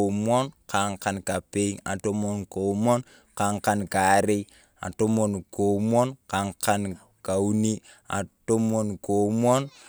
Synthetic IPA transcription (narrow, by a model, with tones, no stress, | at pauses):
o˨mwɔ˦nkʰa˨ŋka˨nka˨pe˦ŋa̰˨to˦mo˨nko˨mɔ˦n | ka˨˦ŋka˨nka˨˦ɾe˦i | a̰˨to˦mo˨nko˨mwɔ˦nka˨ŋka˦n | ka˨u˦ni˦ | a̰˨to˦mo˨nko˨m˦ɔ˦n